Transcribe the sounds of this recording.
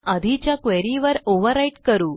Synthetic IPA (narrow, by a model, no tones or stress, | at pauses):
əd̪ʱit͡ɕjakʋeɾiʋəɾoʋəɾːaiʈkəɾuː